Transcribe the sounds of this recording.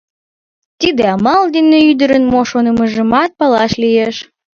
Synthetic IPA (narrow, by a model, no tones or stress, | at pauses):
t̪id̪eɑmɑld̪ineyd̪əɾənmoʃonə̆məʒə̆mɑt̪̚pɑlɑʃlijeʃ